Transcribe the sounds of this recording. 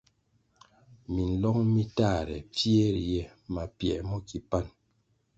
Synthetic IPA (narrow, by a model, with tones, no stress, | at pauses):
mi˨n̩˨lɔ˦ŋmi˦ta˦˨ɾɛ̰˨p͡fje˦ɾjɛ˦ | ma˨pjɛ̰˨mɔ˦ki˨pa˦n